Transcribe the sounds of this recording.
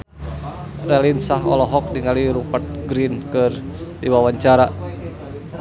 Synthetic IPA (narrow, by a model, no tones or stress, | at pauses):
rɛlinsaɦɔ̰lɔɦɔk̚diŋaliɾupat̪̚ɡɾinkɨrdiwawaɲt͡ʃaɾa